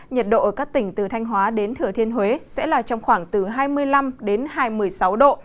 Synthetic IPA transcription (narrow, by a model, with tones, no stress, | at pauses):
ɲə˨˩t̚ɗo̰˧˨ʔəː˧˩kaː˦˥k̚t̪ï˧˩ŋ̟t̪ɨ˨˩t̪ʰa˧jŋ̟ɦwaː˨˦ɗe˨˦nt̪ʰɨ˨˧˩ət̪ʰi˧ənhwe˨˦sɛ̰˧˥laː˨˩t͡ɕɔ˧wŋ͡mxwaː˧˩ŋt̪ɨ˨˩ɦaː˧jmɨ˧əjla˧mɗe˨˦nɦaː˧jmɨ˨˩əjsa˨˦wɗo̰˧˨